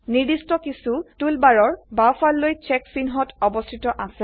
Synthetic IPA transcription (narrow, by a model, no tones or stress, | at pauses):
nidistɔkisutulbaɹɔɹbawfalːojt͡ʃɛksinɦɔtɔbɔstʰitɔʔasɛ